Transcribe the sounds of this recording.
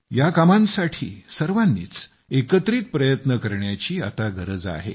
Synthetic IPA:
jakamãnsaʈʰḭːsəɾʋanːḭːt͡s | ekət̪ɾiːt̪̚pɾəjət̪nəkəɾɳjat͡ɕiːa̰t̪aɡʱəɾəd͡za̰ɦḛ

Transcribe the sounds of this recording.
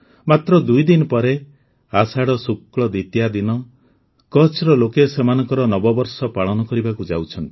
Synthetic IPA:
mat̪ɾɔd̪ujd̪inɔpɔɾe | asaɽɔsukɭɔd̪it̪jad̪inɔ | kɔt͡ʃɾɔlokesemanɔŋkɔɾɔnɔbɔbɔɾsɔpaɭɔnɔkɔɾibakud͡ʒawt͡ʃʰɔnt̪i̥

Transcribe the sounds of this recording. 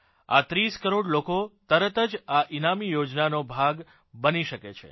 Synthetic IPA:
a̰t̪ɾiskəɾoɖlokot̪əɾət̪əd͡ʒaʔinamijod͡ʒnanobʱaɡ | bəniʃəket͡ʃʰḛ

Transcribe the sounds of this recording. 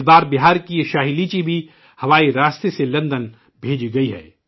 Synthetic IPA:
b̪aːɾbɪɦaːɾkiʃaːɦilit͡ʃibʱi | hɐʋaːiɾaːst̪eselɐ̃nd̪ən | bʱeːd͡ʒiɡɐiɦɛ̰ː

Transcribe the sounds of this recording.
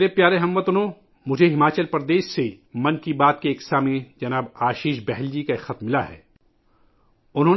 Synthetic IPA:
ɾepjaːɾeɦɐmːət̪ʊnõ | mʊd͡ʒʱeɦɪmaːt͡ʃəlpɾd̪eːʃse | mɐ̃nkibaːt̪̚keːksaːmẽd͡ʒɐnaːbaːʃiːʃbɛɦɛld͡ʒikaxɐt̪mːɪlaɦɛ̰ː | ʊnɦõːn

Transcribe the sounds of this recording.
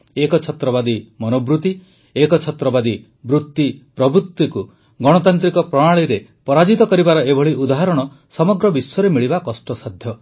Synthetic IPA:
ekɔt͡ʃʰɔt̪ɾɔbad̪imɔnobɾut̪i | ekɔt͡ʃʰɔt̪ɾɔbad̪i | bɾut̪ːipɾɔbɾut̪ːiku | ɡɔɽ̃ɔt̪ant̪ɾikɔpɾɔɽ̃aɭiɾepɔɾad͡ʒit̪ɔkɔɾibaɾɔebʱɔɭiʔud̪aɦaɾɔɽ̃ɔ | sɔmɔɡɾɔbisɔɾemiɭibakɔsʈɔsad̪ʱjɔ

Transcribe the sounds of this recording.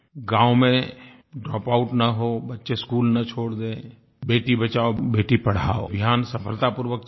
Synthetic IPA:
ɡãːwmẽ | ɖɾɔːpaːʊʈnɐɦobɐtːʃeskuːlnɐt͡ʃʰoːɽd̪ẽː | beːʈibət͡ʃaːobeːʈipɐɽ̤aːo̰bʱjaːnsɐpʰəlt̪apʊɾʋək

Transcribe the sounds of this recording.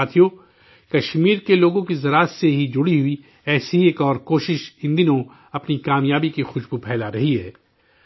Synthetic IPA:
aːt̪ʰijo | kɐʃmiːɾkeloːɡõkizɐɾaːt̪seɦid͡ʒʊɽiɦʊi | ɛːsiɦieːkɔːɾkoːʃɪʃɪ̃nd̪inõ | ɐpnikaːmjaːbikixʊʃbupʰɛːlaɾɐɦiɦɛː

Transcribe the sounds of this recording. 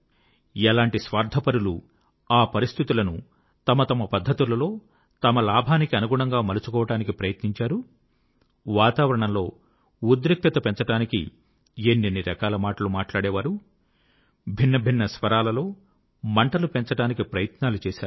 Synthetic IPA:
ɛlaːɳʈisʋaːɾd̪ʱɐpɐɾulṵ | aːpɐɾist̪ʰit̪ulɐnu | t̪ɐmɐt̪ɐmɐpɐd̪ʱːɐt̪ulɐlo̞ː | t̪ɐmɐlaːbʱaːnikiɐnuɡuɳɐŋɡaːmɐlut͡ʃu̥kɔːʋɐʈaːnikipɾɐjɐt̪niɲt͡ʃaːɾu | ʋaːt̪aːʋɐɾɐɳɐmlo̞ː | ud̪ɾik̚t̪ɐt̪ɐpent͡ʃɐʈaːnikḭ | enːenːiɾɐkaːlɐmaːʈɐlumaːʈlaːɽeːʋaːɾu | bʱinːɐbʱinːɐsʋɐɾaːlɐlo̞ː | mɐɳʈɐlupent͡ʃɐʈaːnikipɾɐjɐt̪naːlut͡ʃɛːʃaːɾ

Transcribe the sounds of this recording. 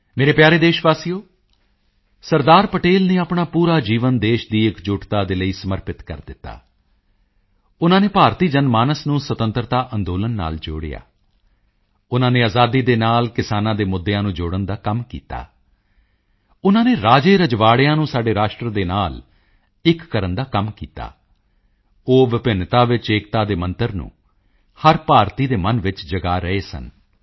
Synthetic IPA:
meːɾeːpjaːɾeːd̪eːʃʋaːsiːjoː | səɾd̪aːɾpəʈeːlneːapɳaːpuːɾaːd͡ʒiːʋənd̪eːʃd̪iːɪkd͡ʒʊːʈt̪aːd̪eːləiːsəməɾpɪt̪kə̰ɾd̪ɪt̪ːa̰ː | ʊnãːneːpaːɾt̪iːd͡ʒənmaːnəsnũːsət̪ə̃nt̪əɾt̪aːʔənd̪oːlənːa̰ːld͡ʒo̰ːɽḛja̰ː | ʊnãːneːaːzaːd̪iːd̪eːnaːlkɪsaːnãːd̪eːmʊd̪ːjãːnũːd͡ʒʊːɽənd̪aːkəmkḭːt̪a̰ː | ʊnãːneːɾaːd͡ʒeːɾəd͡ʒʋaːɽɪjãːnũːsaːɖeːɾaːʃʈɾəd̪eːnaːl | ɪkːəɾənd̪aːkəmkḭːt̪a̰ː | oːʋɪpɪnt̪aːʋɪt͡ʃeːkt̪aːd̪eːmə̃nt̪əɾnṵ̃ː | həɾpaːɾt̪iːd̪eːmənʋɪt͡ʃd͡ʒəɡaːɾəeːsə̰n

